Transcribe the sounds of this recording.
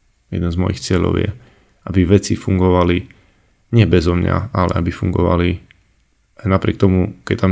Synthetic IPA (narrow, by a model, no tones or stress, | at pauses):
jɛ̰d̪ɛnzmɔ̰jixt͡sɪɛʎɔ̰ʊjɛ̰ | ʔabiʋɛt͡sifuŋɡɔʋali | ɲɪɛbɛzɔmɲa̰alɛ̰ʔabifuŋɡɔ̰ʋa̰li | anapɾɪɛk̚t̪ɔmukɛt̪am